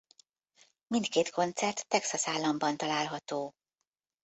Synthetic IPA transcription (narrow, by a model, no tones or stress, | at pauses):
mint̪keːt̪kʰo̞nt̪sɛrt̪ːɛksɒsaːlːɒmbɒnt̪ɒlaːlɦɒt̪oː